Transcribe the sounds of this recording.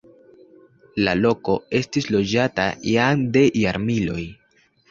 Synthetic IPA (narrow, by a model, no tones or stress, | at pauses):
lalo̞ko̞e̞stislo̞d͡ʒata̰jaŋde̞ʔjaɾmilo̞̰j